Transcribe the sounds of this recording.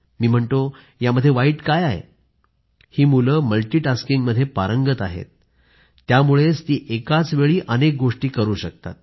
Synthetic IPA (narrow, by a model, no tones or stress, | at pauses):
miːm̤əɳt̪o | jaməd̪ʱjeʋaiːʈkajajḛ | hiːmuləːməlʈiːʈaskiŋɡməd̪ʱːjepaɾəŋɡət̪aɦḛt̪̚ː | jamuɭet͡st̪iːʔekat͡sʋeɭiːʔənek̚ɡoʂʈiːkəɾuːɕək̚t̪a̰t̪̚